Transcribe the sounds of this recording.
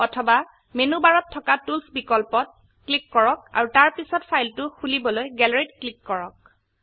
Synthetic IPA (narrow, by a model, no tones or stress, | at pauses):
ɔtʰɔba | menubaɹɔtʰːɔkatulsbikɔlpɔt̚ | klikːɔɹɔk̚a̰ɹutaɹpisɔtpʰajltʊxulibɔlojɡɛlɹitklikːɔɹɔ̰k̚